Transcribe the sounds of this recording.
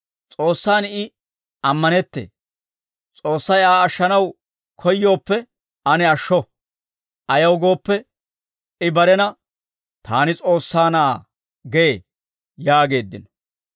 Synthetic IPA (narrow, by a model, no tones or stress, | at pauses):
t͡sʼo̞ːsːaːnɪ | ɐmːɐnɛt̪ːḛː | t͡sʼo̞ːsːɐjaːɐʃːɐnɐw | kʰɔjːo̞ːpːɛ | ɐnɛɐʃːɔ | ʔɐjɐwɡo̞ːpːɛ | ɪbɐɾɛnɐ | t̪ʰaːnɪt͡sʼo̞ːsːaːnaː | ɡee | jaːɡe̞ːd̪ːɪ̰n